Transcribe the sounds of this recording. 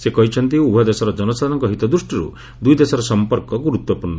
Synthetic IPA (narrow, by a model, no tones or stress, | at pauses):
sekɔɦit͡ʃʰɔnt̪iubʱɔd̪esɔɾɔd͡ʒɔnɔsad̪nɔŋkɔɦit̪ɔd̪ɾusʈiɾṵ | d̪ujd̪esɔɾɔsɔmpɔɾkɔɡuɾut̪wɔpuɾnɔ